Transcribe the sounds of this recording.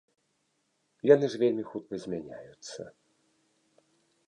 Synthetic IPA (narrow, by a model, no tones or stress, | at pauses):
janɨʐvʲelʲmʲixut̪̚kɐzʲmʲanʲa̰jut̪sːɐ̰